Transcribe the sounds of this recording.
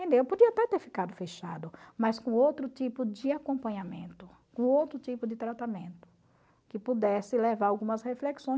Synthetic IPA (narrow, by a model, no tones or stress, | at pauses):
ẽnd̪ewpod͡ʒiɐat̪ɛt̪eɾfi̥kad̪ʊfeʃa̰d̪ʊmɐskõowt̪ɾʊt͡ʃipʊd͡ʒɪakõmpɐ̃ɲamḛ̃nt̪ʊ | kõowt̪ɾʊt͡ʃ̪ipʊd͡ʒɪt̪ɾat̪amẽnt̪ʊ̥ | kɪpud̪ɛsɪlevaɾawɡũmɐshefleksõj̃